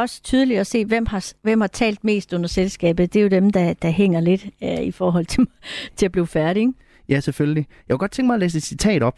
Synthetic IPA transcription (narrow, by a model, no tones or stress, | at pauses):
ɒ̽sə̥t͡sʰyð̞ˠəliɒ̽se̝̰ːʋem̰hɑ̈ʋem̰hɑ̈t͡sʰɛ̰ːld̥me̝̰ːsd̥ɔ̽n̰ɐselsɡ̥ɛ̰ːb̥ð̞̩ˠd̥e̝jo̝d̥emd̥ɑ̈d̥ɑ̈ɦeŋ̰ɐle̝d̥øifɒːɦɒ̽l̰t͡sʰe̝mt͡sʰe̝æb̥liːfæɐɾieŋ | jæseføljəlijɑkʰɡ̥ɒ̽d̥̚t͡sʰeŋɡ̥mɑ̈ɐlḛːsed̥sit͡sʰɛ̰ːɾ̥ɒ̽b̥